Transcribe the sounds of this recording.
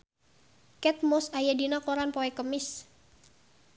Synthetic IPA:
kɛt̪̚mɔsajadinakoɾanpoɛkəmɪs

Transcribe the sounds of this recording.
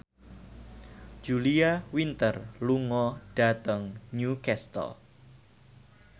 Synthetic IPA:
d͡ʒ̥uliawint̪ərluŋɔɖ̥a̤t̪əŋɲukɛst̪ə̰l

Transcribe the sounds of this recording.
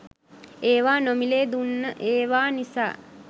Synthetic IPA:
eːʋaːnomileːd̪unːəʔeːʋaːnisa̰ː

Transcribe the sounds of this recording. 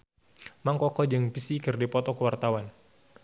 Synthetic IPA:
maŋkɔkɔd͡ʒɨŋpisikɨrdipɔt̪ɔkəwart̪awan

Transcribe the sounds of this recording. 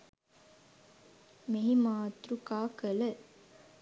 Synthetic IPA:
meɦimaːt̪ɾukaːkəlɐ

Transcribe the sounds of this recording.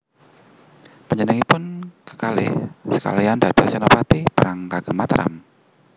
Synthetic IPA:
pəɲənəŋipʊnkə̥kalɪ̰sə̥ka̰liandad̥asɛnopat̪ipəɾaŋkaɡ̥əmat̪əɾʔa̰m

